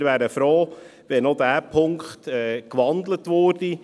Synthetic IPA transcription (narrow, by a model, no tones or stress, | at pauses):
ɾʋæːɾəfɾoːʋɛnɔdæːpʰʊŋkχt̪ɛkʋɑnd̪lətʋʊrd̥i